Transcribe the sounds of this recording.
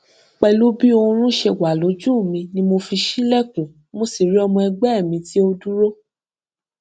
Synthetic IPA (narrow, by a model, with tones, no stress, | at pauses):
k͡pɛ˧lu˦bi˦õ˧ɾ̃ũ˦ʃe˧wa˨lo˨˦d͡ʒũ˦˨mĩ˧nĩ˧˦mo˧fi˧ʃi˦lɛ˦˨kũ˨ | mo˧si˦˨ɾi˨˦ɔ˧mɔ̃˧ɛ˧ɡ͡bɛ˦ɛ˦˨mĩ˧ti˦o˧dũ˦ɾo˦